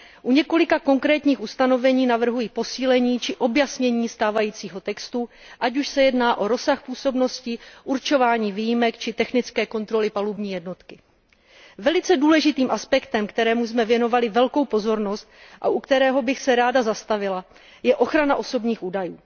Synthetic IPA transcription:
ʔuɲɛko̞lɪkako̞ŋkɾɛːt̪ɲiːxust̪ano̞vɛɲiːnavr̩ɦujipo̞siːlɛɲiːt͡ʃɪʔo̞bjasɲɛɲiːst̪aːvajiːt͡siːɦo̞t̪ɛkst̪u | ʔacuʃsɛjɛdnaːʔo̞ɾo̞saxpuːso̞bno̞scɪʔuɾt͡ʃo̞vaːɲiːviːjimɛkt͡ʃɪt̪ɛxnɪt͡skɛːko̞nt̪ɾo̞lɪpalubɲiːjɛdno̞t̪kɪ | vɛlɪt͡sɛduːlɛʒɪt̪iːmʔaspɛkt̪ɛmkt̪ɛɾɛːmusmɛvjɛno̞valɪvɛlko̞wpo̞zo̞ɾno̞st̪̚ʔa̰ʔukt̪ɛɾɛːɦo̞bɪxsɛɾaːdazast̪avɪla | jɛʔo̞xɾanaʔo̞so̞bɲiːxʔuːdajuː

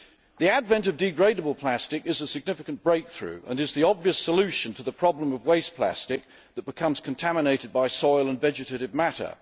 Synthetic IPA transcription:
ðiædvɛ̃ntʌvdɨɡɹeɪɾəbəlˠpʰl̥æstɨkɨzəsɨɡ̚nɪfɨknb̥ɹeɪk̚θɹʉ̰ə̰̃nɨzðiɑbviəsəlʉʃɨ̃ntʰəðəpʰɹ̥ɑblə̃mʌvweɪspʰl̥æ̰stɪk̚ | ðət̚b̥ɨkʰʌ̃mz̥kʰə̃n̩tʰæmɨneɪɾɨd̚baɪsɔɪlˠə̃nvɛd͡ʒɨteɪɾɨvmæɾə̰˞

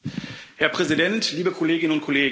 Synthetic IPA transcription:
hɛɐpʁ̥ɛzidɛntʰliːbəkʰoleːɡɪnənʊnt̚kʰoleːɡ

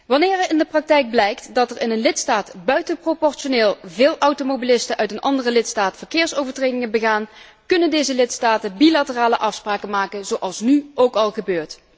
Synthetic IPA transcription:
ʋɑnɪːɹəɪndəprɑk̚tɛjk̚blɛjktdɑtɛɹɪnənlɪtstaːtbœɥtənpropɔɹʃoneːlˠvɪːlˠʔʌwtomobilɪstənʔœɥtənɑ̰ndərəlɪtstaːtfəɹkɪːɹsowvəɹtrejdɪŋənbəɣaːn | kɵnəndejzəlɪtstaːtənbilatəraːləʔɑfspraːkəmaːkənzowʔɑlˠsnyʔowkɑlˠɣəbøːɹt

